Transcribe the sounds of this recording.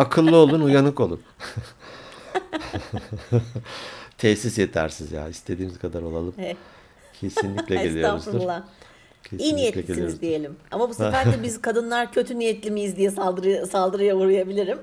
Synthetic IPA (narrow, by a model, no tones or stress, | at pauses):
akʰɯlˠːɯo̞lˠunujanɯko̞lˠṵn | t̪ʰɛçsisjet̪ʰæ̰ɾsizja̰ːist̪ʰe̞d̪iːniz̥kʰad̪aɾolˠalˠɯmhɛ | cʰe̞sinlʲiclʲɛɟelʲij̪o̞ɾṵzulˠa | cʰeinijɛt̪ielʲiijoizd̪ijelʲimamabusefæɾd͡ʒɛbizkʰad̪ɯnlˠaɾcʰø̞t̪ʰynijɛt̪lʲimijizd̪ijɛsad̪ɾsalˠd̪ɯɾɯjauɾujabilʲiɾim